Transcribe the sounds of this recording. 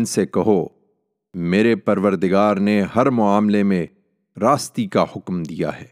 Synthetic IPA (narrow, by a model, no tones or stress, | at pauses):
nsekɐɦo | meːɾepɐɾʋəɾd̪ɪɡaːɾneɦɐɾmʊaːmlemẽ | ɾaːst̪ikahʊkmd̪ija̰ɦɛː